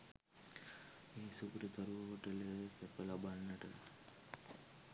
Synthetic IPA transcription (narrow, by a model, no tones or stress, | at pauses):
eːsukɾət̪əɾuʋəɦoʈələsɛpəlabanːəʈə̰